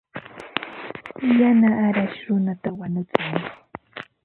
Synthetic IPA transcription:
janaʔːɾaʃɾʊnat̪awaɲʊt͡sʊŋ

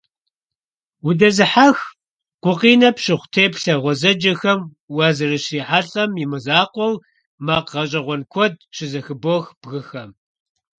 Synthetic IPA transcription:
wʊdɐzɨħax | qʷʊqiːnɐpɕɪχʷtʰeːpɬɐʁʷɔzɐd͡ʒɐxɐm | wazɨrɨɕiːħaɬʼɐmjɪmɨzaːqʷɔw | maːqʁɐɕʼɐʁʷɔnkʷʰɔd̚ɕɪzɐxɨboxb̥ɣɨxɐm

